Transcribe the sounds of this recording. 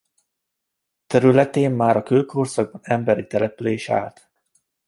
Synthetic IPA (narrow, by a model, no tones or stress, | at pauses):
t̪ɛɾylɛt̪eːmːaːɾɒkølkʰorsɒɡ̚bɒnɛmbɛɾit̪ɛlɛpyleːʃa̰ːlt̪